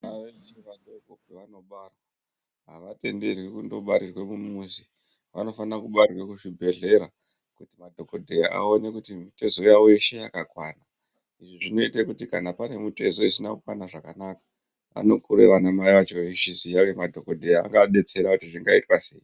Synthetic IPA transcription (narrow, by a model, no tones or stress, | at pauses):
naʋeseʋadokoɡeʋano̞ɓara | ɦaʋate̞nderwekundo̞ɓaɾirwe̞mumusi | ʋano̞fanakuɓarrwe̞kuʂibʱe̞ɮe̞ɾa | kutimadʱo̞kodʱejaʔa̰one̞kutimite̞zo̞jawoiʃejakakwana | iʐiʐino̞itekutikanapane̞mute̞zo̞isinakukwanaʐakanakḁ | a̰no̞kuɾḛʋanamaiʋat͡ʃoiʃisijaʋemadʱokodʱejaa̰ŋɡaɗe̞t͡se̞ɾakutiʐiŋɡaitwase̞̰ːi